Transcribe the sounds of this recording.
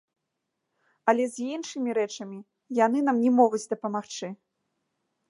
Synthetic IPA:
ɐlʲɛzʲinʂɨmʲiɾɛt͡ʂɐmʲi | janɨnamnʲɛmɔɣud͡zʲd̪ɐpɐmaxt͡ʂɨ

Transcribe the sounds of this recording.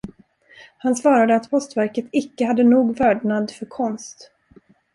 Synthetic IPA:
hansv̥ɑːɾad̪əat̪pʰɔst̪væɾkət̪ɪkːəhad̪ːənuːɡvœːɖɳad̪fœɾkʰɔnst̪

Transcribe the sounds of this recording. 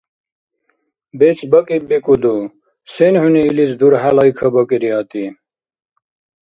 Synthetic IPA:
bet͡sbʌkibikud̪u | senhuniːlit͡sd̪uɾɦalɑjkʰɐbɐkiɾiat̪i

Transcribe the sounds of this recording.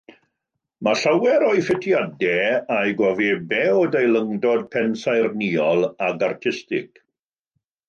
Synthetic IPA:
maɬawɛɾɔɨjfɪtʰjadɛajɡɔvibɛwdejlˠəŋdɔd̚pʰɛnsajrniɔlˠaɡartʰɪstɪ̰k

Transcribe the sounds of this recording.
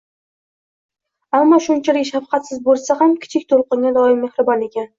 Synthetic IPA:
amːɒʃʊnt͡ʃʰɪɾɪʃafqʰɑt̪sɪzbolˠsahamkʲʰɪ̥t͡ʃʰɪkʲt̪ʰolˠqɨŋɡʲad̪ɒɪmːehɾɨbɒne̞kʲʰan

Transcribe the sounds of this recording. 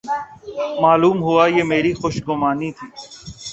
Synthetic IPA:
maːluːmɦʊaːjeːmeːɾixoːʃɡʊmaːniːt̪ʰiː

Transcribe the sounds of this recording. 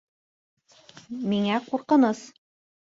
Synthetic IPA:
miŋæquɾqɤ̆nɤs

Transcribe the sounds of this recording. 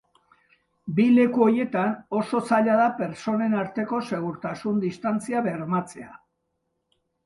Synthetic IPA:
bile̞kuo̞ɾje̞t̪ano̞so̞saʎað̞ape̞ɾt͡so̞ne̞naɾt̪e̞ko̞se̞ɣ̞uɾt̪asund̪ist̪ant͡siaβe̞ɾmat͡se̞a

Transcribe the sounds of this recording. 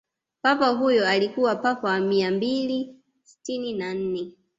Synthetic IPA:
papaɦujɔalikuwapapawamiambili | si̥tininan̩nɛ

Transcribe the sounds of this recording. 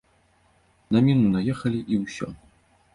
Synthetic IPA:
nɐmʲinunɐjɛxɐlʲiʔiwsʲɔ̰

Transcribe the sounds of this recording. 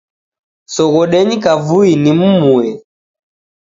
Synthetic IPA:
sɔɣɔɗɛɲikavuinim̩muɛ

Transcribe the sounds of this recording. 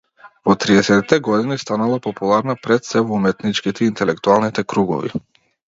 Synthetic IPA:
vɔt̪ɾiɛsɛt̪it̪ɛɡɔd̪inist̪analˠapɔpulˠaɾnapɾɛt̪sɛvɔumɛt̪nit͡ʃkit̪ɛiːnt̪ɛlɛkt̪ualˠnit̪ɛkɾuɡɔ̰vḭ

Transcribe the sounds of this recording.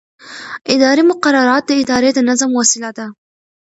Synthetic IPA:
ʔɪd̪ɑːɾimʊqɑɾˤɑːɾˤɑːt̪lɪʔɪd̪ɑːɾɪjat̪anːazamwasɪlat̪a

